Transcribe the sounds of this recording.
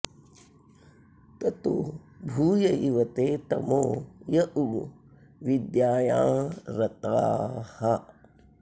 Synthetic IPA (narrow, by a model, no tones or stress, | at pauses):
t̪ɐt̪u | bʱuːjɐʔiʋɐt̪eːt̪ɐ̰moːjɐʔuɽu | ʋid̪jaːjã̰ːɾɐt̪aːhɐ